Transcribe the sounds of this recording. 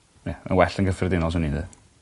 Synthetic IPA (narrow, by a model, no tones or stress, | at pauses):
jɛə̰nwɛɬənɡəfrɪdɪnɔs̬əninðɨ̰